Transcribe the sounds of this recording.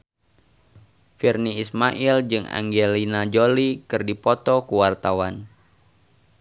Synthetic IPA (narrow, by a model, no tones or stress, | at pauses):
firniːsmaʔild͡ʒɨŋa̰ŋɡelinad͡ʒolikɨrdipɔt̪ɔkuwart̪awan